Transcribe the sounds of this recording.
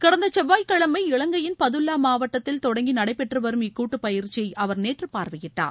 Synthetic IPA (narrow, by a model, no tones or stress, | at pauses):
kɪɽɐnd̪ɐt͡ʃɛʋːaːjkɐɭɐmɐɪɪɭɐŋɡɐjɪnpɐðɯlːaːmaːʋɐʈːɐt̪ːɪlt̪ɔɽɐŋɡinɐɽɐɪpɛʈrɯʋɐɾɯmɪkːuːʈːɯpɐjɪɾt͡ʃɪjɐɪʔɐʋɐɾneːʈrɯpaːɾʋɐjɪʈːa̰ːɾ